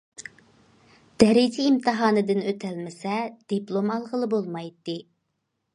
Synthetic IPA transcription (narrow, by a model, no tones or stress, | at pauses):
d̪̥ɛɾid͡ʒʰiːmt̪ʰɨɦɑːnɨd̪ɨnøt̪ʰɛlmɪsɛd̪̥iplˠomɑlˠʁəlˠɨbolˠmɑjt̪ːɨ